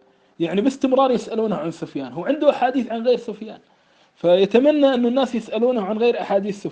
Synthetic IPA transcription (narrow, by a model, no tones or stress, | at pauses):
jaʕnibɪst̪ɪmɾˤɑːɾˤjɪsʔaluːnhaʕansʊfjaːnɦuwʕɪnd̪uʔaħaːd̪iːθʕanɣeːɾsʊfjaːn | fajat̪amanːaʔɪnːʊnːaːsjɪsʔaluːnaʕanɣeːɾʔaħaːd̪iːθsʊ